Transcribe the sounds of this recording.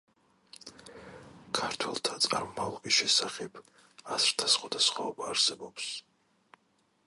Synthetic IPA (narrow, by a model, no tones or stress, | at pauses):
kʰaɾt̪ʰwɛ̰lˠt̪ʰat̪sʼaɾmɔmavlˠakʼisʃɛsaχɛb | azɾt̪ʰasχwad̪asχwaɔbaːɾsɛbɔps